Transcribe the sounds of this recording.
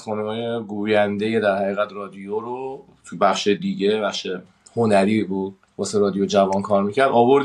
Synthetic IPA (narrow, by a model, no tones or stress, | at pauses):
xɒːnumɒːje̞ɡuːjænd̪ejed̪æɾhæɣiːɣæt̪rɒːd̪ijoɾo | t̪ʰubæχʃed̪iɟe̞bæχʃe | ho̞næɾiːbuːd̪̚ | bɒːseɾɒːd̪ijod͡ʒævɒnkʰɒːɾmiːcʰæɾd̪ɒːbo̞ɾd̪